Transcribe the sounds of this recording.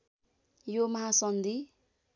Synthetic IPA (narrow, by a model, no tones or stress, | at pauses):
jomʌɦasʌnd̪i